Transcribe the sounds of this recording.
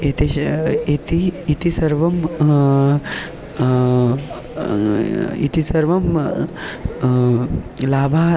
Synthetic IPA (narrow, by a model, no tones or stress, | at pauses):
et̪iet̪iːt̪isɐɾʋɐm | ḭt̪isɐɾʋɐm | laːbʱaː